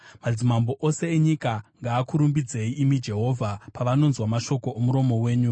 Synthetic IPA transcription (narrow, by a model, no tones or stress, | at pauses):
mad͡zimambo̞ʔo̞se̞ːɲikaŋɡaːkuɾumbid͡ze̞iʔimid͡ʒe̞ɦo̞vʱapaʋano̞nzwamaʃo̞ko̞omuɾo̞mo̞we̞ːɲu